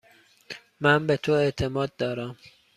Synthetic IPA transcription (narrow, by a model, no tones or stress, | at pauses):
mænbet̪ʰoe̞ʔt̪ʰe̞mɒːd̪̚ːɒːɾæm